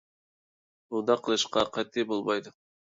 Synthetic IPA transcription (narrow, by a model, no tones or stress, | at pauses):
ud̪ɑqʰəlˠɨʃqɑqʰɑt̪ʰːibolˠmɑjd̪ʊ